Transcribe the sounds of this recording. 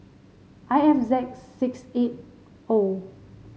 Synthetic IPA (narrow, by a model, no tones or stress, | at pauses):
ʔajɛfzɛk̚sːikset̚ | o